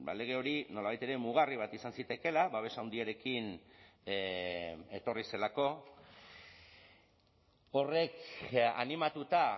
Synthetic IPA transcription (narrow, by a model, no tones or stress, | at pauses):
ba̰le̞ɣ̞e̞o̞ɾino̞laβajt̪e̞ɾe̞muɣ̞ariβ̞at̪isansit̪e̞ke̞laβaβe̞sawnd̪iaɾe̞kin | e̞t̪o̞rise̞lako̞ | o̞re̞ka̰nimat̪ut̪a